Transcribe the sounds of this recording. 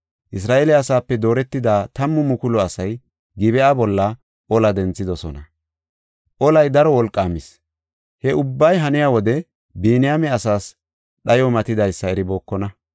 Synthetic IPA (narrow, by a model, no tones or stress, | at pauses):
ʔɪs̬ɾaːʔeːlɛɐsaːpːɛd̪o̞ːɾɛt̪ːɪd̪aːt̪ɐmːʊmʊkʊlɔɐsɐj | ɡɪbɛʔaːbɔlːɐ | ʔɔlɐd̪ɛnt͡sːɪd̪ɔsɔnɐ | ʔɔlɐjd̪ɐɾɔwɔlkʼːaːmɪs | hɛʔʊbːɐjɦɐnɪjaːwɔd̪ɛ | biːnɪjamɛɐsaːs | ɗɐjɔmɐt̪ɪd̪ɐjsːɐɛɾɪbo̞ːkːɔnɐ